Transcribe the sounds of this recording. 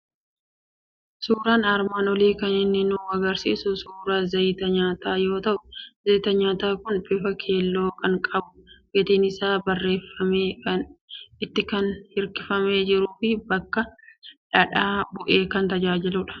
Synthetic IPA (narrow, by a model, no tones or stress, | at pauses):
suːɾaːnɐɾmaːnɔliːkɐnɪnːɪnuːɐɡɐɾsḭːsʊsuːɾaːzɐjt̪ɐɲaːt̪aːjo̞ːt̪ɐʔʊ̥zɐjt̪ɐɲaːt̪aːkʊnbɪfɐkʰe̞ːlːo̞ːkɐŋkʼɐbʊ̥ɡɛt̪eːnɪsaːbɐrːe̞ːfːɐmeːkɐnɪt̪ːɪkɐnhɪɾkɪfɐme̞ːd͡ʒɪɾuːfɪbɐkːɐᶑɐᶑaːbʊʔe̞ːkɐnt̪ɐd͡ʒaːd͡ʒɪlʊᶑɐ̥